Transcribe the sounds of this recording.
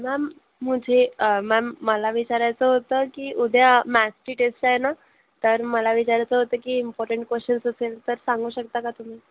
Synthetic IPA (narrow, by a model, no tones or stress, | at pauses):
mæmː | ud͡ʑʱemæmːəlaʋit͡ɕaɾjat͡səɦot̪əːkiːʔud̪ʱjamæsʈiːʈesʈajena | t̪əɾməlaʋit͡ɕaɾjat͡səɦot̪əːkiːimpɔɾʈəɳʈ̚kʋəsʈənsəselt̪əɾsãŋɡuːɕək̚t̪akat̪um̤iː